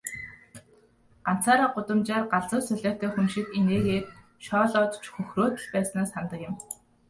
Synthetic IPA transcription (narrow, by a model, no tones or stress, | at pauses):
ɢan̥t͡saːɾaːɢʊt̪ə̆mt͡ɕaːrɢaɮt͡sʊ̆ːsœɮaːt̪eːxunʃĭkeneːɣeːt̪ | ʃɔːɮɔːt̪t͡ɕxɵxroːt̪ə̆ɮpæːsnaːsχant̪ə̆kjɪ̆m